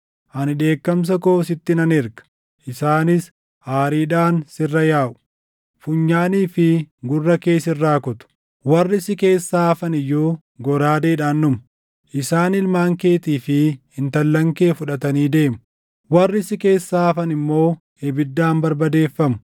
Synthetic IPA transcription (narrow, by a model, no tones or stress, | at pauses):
ʔɐnɪᶑe̞ːkːɐms̬ɐkoːsɪt̪ːɪnɐnɪɾɡɐ̥ | ʔɪsaːnɪs | aːɾiːᶑaːnsɪrːɐjaːʔʊ̥ | fʊɲːaːniːfɪɡʊrːɐke̞ːsɪrːaːkʊt̪ʊ̥ | wɐrːɪsɪke̞ːsːaːɐfɐnɪjːuː | ɡɔɾaːd̪eːᶑaːnːʊmʊ̥ | ʔɪsaːnɪlmaːŋke̞ːt̪iːfɪhɪnt̪ɐlːɐŋke̞ːfʊᶑɐt̪ɐniːd̪e̞ːmʊ | wɐrːɪsɪke̞ːsːaːɐfɐnɪmːo̞ː | ɛbɪd̪ːaːmbɐɾbɐd̪e̞ːfːɐmʊ̥